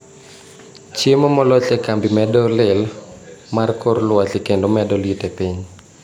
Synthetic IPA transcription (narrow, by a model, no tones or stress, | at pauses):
t͡ʃemɔmɔlɔt͡ʃɛkambimɛdɔlɪlmarkʰoɾlwat͡ʃekendomɛdɔlitepiɲ